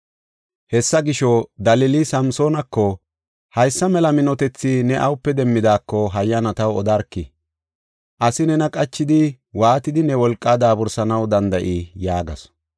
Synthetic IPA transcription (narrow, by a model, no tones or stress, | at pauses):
hɛsːɐɡɪʃɔd̪ɐlɪlisɐmso̞ːnɐkːɔ | hɐjsːɐmɛlɐmɪnɔt̪ɛt͡sːɪnɛʔɐwʊpːɛd̪ɛmːɪd̪aːkːɔɦɐjːɐnɐt̪ɐwɔd̪ɐɾkːɪ | ʔɐsɪnɛnɐkʼɐt͡ʃːɪd̪ɪ | waːt̪ɪd̪ɪnɛwɔlkʼːaːd̪aːbʊɾsɐnɐwd̪ɐnd̪ɐʔijaːɡɐs